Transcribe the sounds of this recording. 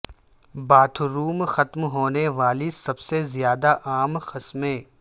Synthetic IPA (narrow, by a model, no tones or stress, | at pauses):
baːt̪ʰɾuːmxɐt̪mɦoːneʋaːlisɐbsezɪjaːd̪aʔaːmxɪsmẽː